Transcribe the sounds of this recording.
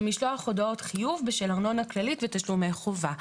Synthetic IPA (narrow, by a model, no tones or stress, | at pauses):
miʃloaχo̞dao̞tχijuvbeʃelaʁno̞nhaklalitvetaʃlume̞jχova